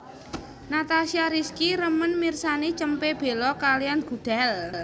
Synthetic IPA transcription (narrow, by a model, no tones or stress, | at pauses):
nat̪asiaɾiskiɾəmənmirsanit͡ʃəmpeb̥e̤lɔkalianɡ̥ṳd̪̥a̤l